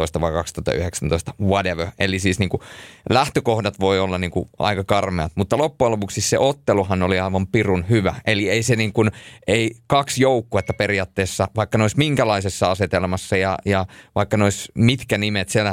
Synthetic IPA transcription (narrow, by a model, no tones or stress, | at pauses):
oist̪ɑʋɑikɑkst̪uɑt̪ːɑ̰y̰heksænt̪oist̪ɑ̥wɑdeʋøelisiːsniːŋkulæht̪økohdɑt̪ʋoiolːɑniːŋkṵʔɑ̰ikɑkɑrmeɑt̪mut̪ːɑlopːuɑlopuksissḛʔot̪ːeluhɑnoliɑiʋɑmpirunhyʋæʔelieiseniːŋkunʔeikɑksjoukːuet̪ːɑperiɑːt̪ːeːsːɑʋɑikːɑneoismiŋkælɑisesːɑɑset̪elmɑsːɑjɑjɑʋɑikːɑneoismit̪kænimet̪sielæ